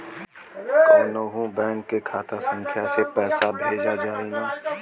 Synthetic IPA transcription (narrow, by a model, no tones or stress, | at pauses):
kəːnoɦũbɛ̃ːŋkːekʰaːt̪asə̃ŋkʰjasepɛːsabʱeːd͡ʒad͡ʒaːinaː